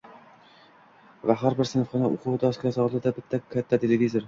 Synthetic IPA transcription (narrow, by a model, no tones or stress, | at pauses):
vaɦaɾbɪɾsɪnfχɒnaʔʊ̰qʰʊwd̪ɒskʲasɒlˠd̪ɪd̪abɪt̪ʰːakʲʰːat̪ʰːat̪ʰelevizoɾ